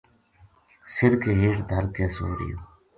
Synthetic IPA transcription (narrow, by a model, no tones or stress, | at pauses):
sɪɾkeɦeːʈd̪ʱəɾkẽːso̰ːɾḭjo̰ː